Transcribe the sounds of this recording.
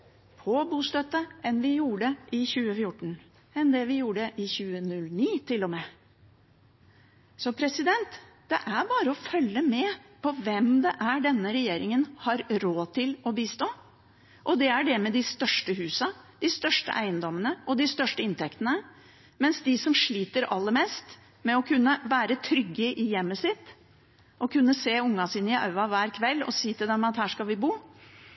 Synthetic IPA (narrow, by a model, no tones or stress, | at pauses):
pʰɔbuːst̪œt̪ːəɛnʋɪjuːɖəʔɪçʉːəfjʊʈːɳ̩ | ɛnd̪ɛʋɪjuːɖəʔɪçʉːənʉlniːt̪ʰɪlːɔmɛ | sɔpʰɾɛsɪd̪ɛnt̪ | d̪̥ɛʔæɾbɑːɾəɔfœlːəmɛpʰɔʋɛmd̪ɛʔæɖɛnːəɾɛjeːɾɪŋənhɑɾɾoːt̪ʰɪlɔbiːst̪oː | ʔɔd̪ɛæɖɛmɛd̪ɪst̪œʂʈəɦʉːsɑd̪̥ɪst̪œʂʈə̰ʔæɪənd̪ɔmənəʔɔd̪ɪst̪œʂʈəɪnt̪ʰɛkt̪ənə | mɛnsd̪ɪsɔmʂɭiːt̪əɾɑlːəmɛːst̪ | mɛɔkʰʉnːəʋæːɾət̪ʰɾʏɡːəʔɪjɛmːəsɪt̪ː | ʔɔkʰʉnːəseːʊŋːɑsiːnəɪɑ̰ʉʋɑʋæːɾkʰʋɛlːɔ̰siːt̪ɪlɛmɑt̪hæːʂkɑlʋɪbuː